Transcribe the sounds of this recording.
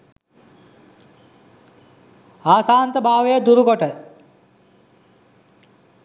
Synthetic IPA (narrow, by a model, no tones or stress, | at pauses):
aːsaːnt̪əbʱaːʋejəd̪uɾukoʈə